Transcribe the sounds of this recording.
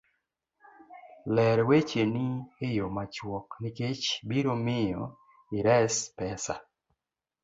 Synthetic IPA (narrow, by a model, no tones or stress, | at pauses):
lɛɾwet͡ʃenihɪjomat͡ʃwɔknɪket͡ʃbiɾomɪjɔ | iɾɛspɛsa̰